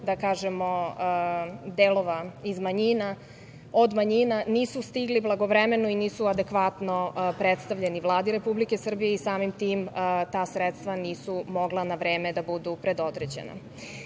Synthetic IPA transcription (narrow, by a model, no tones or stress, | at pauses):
d̪akaːʒemo̞ | d̪eːlˠo̞ʋaizmaɲina | od̪maɲinaniːsust̪iɡliblˠaɡo̞ʋɾemenoiniːsuad̪ekʋat̪no̞pɾet̪st̪aʋʎe̞nivlˠaːd̪iɾe̞publike̞sr̩bijeisaːmimt̪iːmt̪aːsɾet̪st̪ʋaniːsumoɡlˠanaʋɾe̞ːme̞d̪abud̪upɾe̞d̪o̞d̪ɾed͡ʑḛna̰